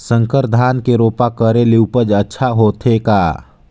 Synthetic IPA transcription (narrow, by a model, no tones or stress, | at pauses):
sə̃ŋkəɾd̪ʱaːnkeɾoːpakəɾeliwpəd͡ʒətːʃʰaɦoːt̪ʰeka̰ː